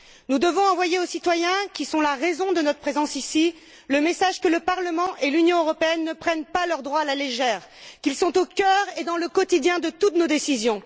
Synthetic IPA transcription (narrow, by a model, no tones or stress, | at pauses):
nud̪əvɔ̃ɑ̃vwajeosit̪wajɛ̃kʲisɔ̃laʁezɔ̃d̪ənɔt̪χəpχezɑ̃sisi | ləmesaʒkələpaʁləmɑ̃ʔelynjɔ̃øʁɔpeɛnːəpχɛnpalœʁd̪ʁwaːlaleʒɛːʁ | kʲilsɔ̃t̪okʲœʁed̪ɑ̃ləkɔt̪id̪jɛ̃d̪ət̪ut̪nod̪esizjɔ̃